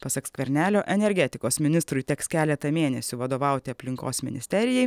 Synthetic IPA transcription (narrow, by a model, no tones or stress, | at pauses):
pɐsɐksʲkʲʋʲɛɾʲnʲæːlʲoːʔɛnʲɛɾʲɡʲɛt̪ʲɪkoːsmʲɪnʲɪst̪ɾʊjt̪ʲɛkskʲæːlʲɛt̪ɐmʲeːnʲɛsʲʊʋɐd̪oːʋɑˑʊt̪ʲɪɐpʲlʲɪŋko̰ːsmʲɪ̰nʲɪsʲt̪ʲɛɾʲɪjɛj